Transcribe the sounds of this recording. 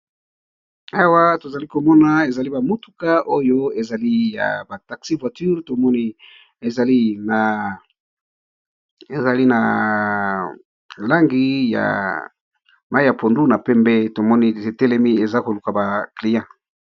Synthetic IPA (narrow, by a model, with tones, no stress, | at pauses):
a˨wa˦to˨za˨li˦ko˨mɔ˦na˨e˨za˨li˦ba˨mo˦tu̥˨ka˦ʔo˦jo˦e˨za˨li˦ja̰˨ba˨ta˨ksi˦vwa˨ty˦ʁto˨mɔ˦ni˦ | e˨za˨li˦na˨ | e˨za˨li˦na˨ | la˦ŋɡi˦ja̰˨ | ma˦i˦ja˨po˨ndu˦na˨pɛ˦mbe˦to˨mɔ˦ni˦e˨tɛ˦lɛ˦mi˦e˨za˦ko˨lu˨ka˨ba˨kli˨jã˦